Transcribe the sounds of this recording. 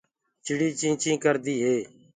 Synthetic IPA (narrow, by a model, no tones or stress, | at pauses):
t͡ʃɪɽiːt͡ʃĩːt͡ʃĩːkəɾd̪iːɦeː